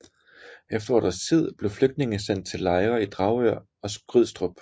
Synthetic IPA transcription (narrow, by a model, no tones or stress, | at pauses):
ʔefd̥ɐɒ̰ːd̥ɐst͡sʰið̞̰ˠb̥le̝ʊfløɡ̥d̥ne̝ŋəsen̰d̥̚t͡sʰe̝lːɑ̈ɪʁɐid̥ʁɑ̈ʊøɐ̰ | ɒ̽sɡ̥ʁyð̞̰ˠsd̥ʁɔb̥